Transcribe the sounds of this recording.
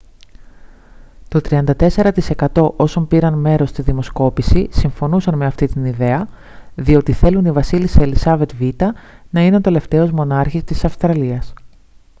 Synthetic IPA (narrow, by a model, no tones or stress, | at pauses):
t̪o̞t̪ɾiɐnd̪ɐt̪e̞se̞ɾɐt̪ise̞kɐt̪o̞ʔo̞so̞mpiɾɐnme̞ɾo̞st̪iðimo̞sko̞pisisiɱfo̞nusɐnme̞ɐft̪it̪iniðe̞ɐ | ðio̞t̪iθe̞lunivɐsiliselisɐve̞t̪vit̪ɐnɐineo̞t̪e̞le̞ft̪e̞o̞zmo̞nɐɾçist̪isɐfst̪ɾɐliɐs